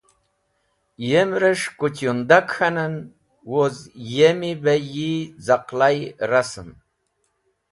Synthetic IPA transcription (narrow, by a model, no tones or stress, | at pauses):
jemɾəʂkut͡ɕjund̪akxanən | wozjemibajizaqlajrasɨm